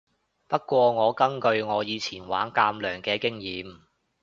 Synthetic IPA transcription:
pɐ˥t̚kːʷwɔː˧ŋɔː˨˧kɐ˥ŋkɵ˧ɥŋɔː˨˧jiː˨˧t͡sʰiː˨˩nwa̰ː˨˥nkaː˧mlœː˨˩ŋkɛː˧kɪ˥ŋjiː˨˥m

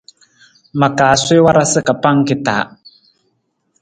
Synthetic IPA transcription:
ma˨kaː˨swe˦wa˦ɾa˦sɨ˦ka˨pa˦ŋ˦ki˦ta˨˦

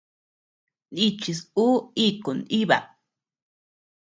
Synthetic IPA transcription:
ni˧t͡ʃi˧su˦i˦ko˨ni˦βa̰˨

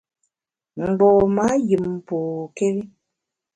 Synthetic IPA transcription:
ŋ̩˨ɡ͡bɔ˨ma˨˦ji˨m˨po˨kɛ˦wi˦

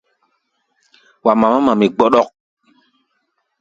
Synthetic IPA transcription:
wa˨ma˨ma˦ma˨mi˨ɡ͡bɔ˦ɗɔ˦k̚

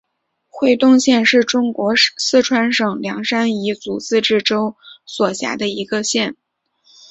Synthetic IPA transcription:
xwe˥˧ɪt̪ʊ˥˧ŋɕjɛ˥˧nʂɻ̩˥˩ʈ͡ʂʊ˥ŋkwɔ˧˥sɹ̩˥˩ʈ͡ʂʰwa˧˥nʂɤ˨˩ŋljɑ˧˥ŋʂa˥ni˧˥t͡su˨˩t͡sɹ̩˥˧ʈ͡ʂɻ̩˥˩ʈ͡ʂo˥ʊswɔ˨˩ɕja̰˧˥d̪ə˧i˧˥ɡə˧ɕjɛ˥˩n

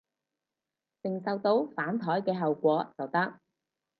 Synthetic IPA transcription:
t͡sɪ˨ŋsɐ˧wt̪o˧wfaː˨˥nt̪ʰɔː˨˥jkɛː˧ɦɐ˨wkʷɔː˨˧˥t͡sɐ˨˩wt̪ɐ˥k̚

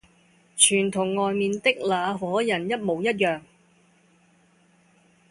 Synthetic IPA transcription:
t͡ʃʰyː˨˩nt̪ʰʊ˨˩ŋːɔː˨jmiː˨nt̪ɪ˥k̚laː˨˧ɦɔː˨˥jɐ˨˩njɐ˥t̚mo˨˧wjɐ˥t̚jœː˨ŋ

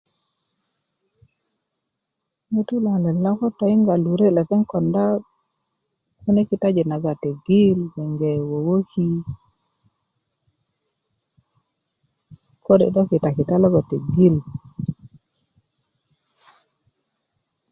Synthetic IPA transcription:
mi˦tu˦la˨lɛ˨lɔ˦kɔ˦tɔ˨ɪ˦ŋɡa˨lu˨ɾe˦lɛ˨kɛ˦ŋkɔ˨nda˦ | ku˦ne˦ki˨ta˦d͡ʒe˨na˨ɡa˨te˨ɡi˦lwɛ˨ŋɡɛ˨wo˨wo˦ki˦ | ko˦dḛ˨dɔ˦kɪ˨ta˨kɪ˨ta˦lɔ˦ɡɔ˨te˨ɡi˦l

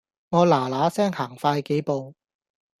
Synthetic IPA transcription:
ŋɔː˨˧laː˨˩laː˨˥sɛː˥ŋhaː˨˩ŋfaː˧jke˨˥jpo˨˧w

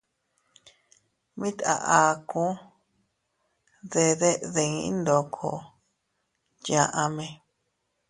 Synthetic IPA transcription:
mĩ˦t̪a̰˧˨ʔa˨kũ˦ | ðe˧ðe˦ðe˧ŋĩ˧ḭ˦nd̪o˨kʰo̰˧˨ | jã˧ʔã˧mẽ˧

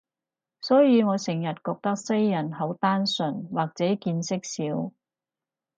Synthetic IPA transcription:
sɔː˨˥jiː˨˧ŋɔː˨˧sɪ˨˩ŋjɐ˨t̚kɔː˧k̚t̪ɐ˥k̚sɐ˥jːɐ˨˩nɦo˨˥wt̪aː˥nsɵ˨˩nwaː˨k̚t͡sɛː˨˥kiː˧nsɪ˥k̚siː˨˥w

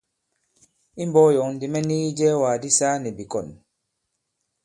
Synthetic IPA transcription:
i˦mbɔː˦jɔ˨ndi˨mɛ˦ni˦d͡ʒɛː˦waː˨di˦saː˦ni˨bi˨kɔ˨n

